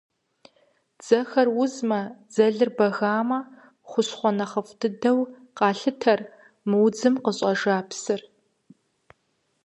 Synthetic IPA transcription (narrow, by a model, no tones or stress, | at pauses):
d͡z̥ɐxɐrwʊzmɐd͡zɐɮɨrbɐɣaːmɐ | χʷʊsχʷɔnɐχəftʰɨdɐw | qɑːɬɨtʰɐr | mɨwd͡zɨmqəɕʼɐʒaːpsɨr